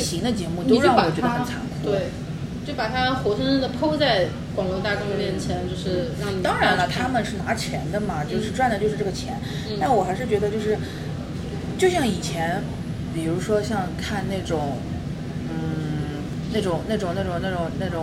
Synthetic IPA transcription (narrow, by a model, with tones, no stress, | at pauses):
ɕʰi˧˥ŋd̪ə˧t͡ɕjɛ˧˥mu˥˩t͡ɕ̪o˥ʊɻŋwɔ˨˩t͡ɕɥd̪ə˧˥˧xə˧nt͡sʰa̰˧˥ŋkʰu˥twe˥˩ɪ | t͡ɕo˥˩ʊ˩pa˨˩t̪ʰa˥mə˨xwɔ˧˥ʂʰə˥ŋʂə˥d̪ə˨˩pʰo˥ʊt͡sa˥˩ɪ | kwɑ˨˩ŋlo˧˥t̪a˥˧˩ʈ͡ʂo˥ŋd̪ə˨mjɛ˥˩nt͡ɕʰjɛ˧˥nt͡ɕjo˥˧ʊʂɻ̩˥˩˧t̪ɑ˥ŋɻa˧˥nə˧t̪ʰa˥mə˨nʂɻ̩˥˩na˧˥t͡ɕʰjɛ˧˥nd̪ə˧mɐ˨t͡ɕjo˥˧ʊʂɻ̩˥˧ʈ͡ʂwa˥˩nd̪ə˩t͡ɕo˥˧ʂɻ̩˥˧ʈ͡ʂɤ˥˩ə˩t͡ɕʰjɛ˧˥n | t̪a˥˩wɔ˨˩xa˧˥ʂɻ̩˥˩t͡ɕɥɛ˧˥d̪ə˧t͡ɕjo˥˧ʊʂɻ̩˥˩ | t͡ɕjo˥˧ʊɕjɑ˥˩ŋi˨˩t͡ɕʰjɛ˧˥n | pi˨˩ɻu˧˥ʂwɔ˥ɕjɑ˥˧ŋkʰa˥˧nne˥˩ɪʈ͡ʂʊ˨˩˦ŋ | n̩˥˩ | na˥˩ʈ͡ʂʊ˨˩ŋna˥˩ʈ͡ʂʊ˨˩ŋna˥˩ʈ͡ʂʊ˨˩ŋna˥˩ʈ͡ʂʊ˨˩ŋna˥˩ʈ͡ʂʊ˨˩